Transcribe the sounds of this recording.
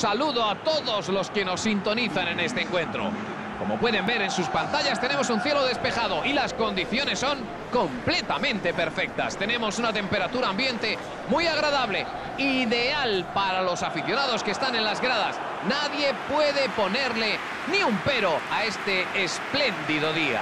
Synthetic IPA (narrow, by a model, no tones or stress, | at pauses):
saluðo̞at̪o̞ðo̞zlo̞ske̞no̞sːint̪o̞niθanẽ̞ne̞st̪eeŋkwẽ̞nt̪ɾo̞̰ | ko̞mo̞pwe̞ðe̞mbe̞ɾe̞nsuspant̪aʎast̪e̞nemo̞sunθje̞lo̞ðe̞spe̞xaðoʔilasko̞nd̪iθjo̞ne̞sːo̞ŋ | ko̞mple̞t̪amẽnt̪e̞pe̞ɾfe̞k̚t̪a̰st̪e̞nẽ̞mo̞sunat̪e̞mpe̞ɾat̪uɾaːmbjẽ̞nt̪e̞ | mujaɣ̞ɾaðaβle̞ | iðe̞alpaɾalo̞safiθjo̞naðo̞skeːst̪anẽ̞nlazɣɾaðas | naðje̞pwe̞ðe̞po̞ne̞ɾle̞ | niumpe̞ɾo̞ae̞st̪e̞ːsple̞nd̪iðoðia̰